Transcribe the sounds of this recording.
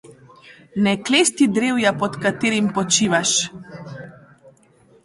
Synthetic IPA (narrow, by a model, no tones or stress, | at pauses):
nɛkleːst̪id̪ɾewjapɔt̪kat̪eːɾimpɔt͡ʃiːʋaʃ